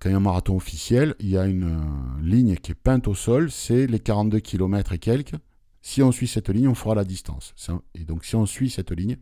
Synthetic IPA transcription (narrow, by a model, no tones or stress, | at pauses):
kɑ̃jɛ̃maʁat̪ɔ̃ɔfi̥sjɛliljaynliɲkʲiɛpɛ̃t̪osɔlsɛlekaʁɑ̃t̪̚d̪økʲʰilɔmɛt̪χekʲɛlk | siɔ̃sɥisɛt̪liɲɔ̃fəʁalad̪ist̪ɑ̰̃ssɛ̃ed̪ɔ̃ksiɔ̃sɥisɛt̪liɲ